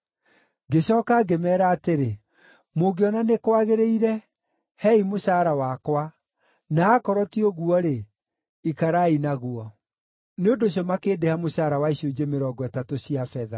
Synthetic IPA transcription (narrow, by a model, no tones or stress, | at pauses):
ɡeɕɔːkaɡemɛːɾaːteɾe | moɡeɔnanekwaɣeɾeiɾɛ | hɛimoɕaːɾawakwa | naːkɔɾɔtiɔɣuɔɾe | ikaɾainaɣuɔ | neondoɕ̬jɔmakeːdehamoɕaːɾawaiɕod͡ʑemeɾɔːɡɔɛtatoɕiafɛða